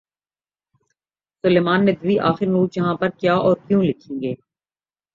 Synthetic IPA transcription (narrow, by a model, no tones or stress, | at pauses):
sʊleːmaːnːed̪ʋiʔaːxɪɾnuːɾd͡ʒɐɦãpɐɾkjaːʔɔːɾkjũːlɪkʰẽːɡeː